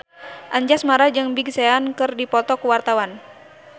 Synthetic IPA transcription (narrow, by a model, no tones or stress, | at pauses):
ʔaɲd͡ʒasmaɾad͡ʒɨŋbiɡsɛankɨrdipɔt̪ɔkuwart̪awan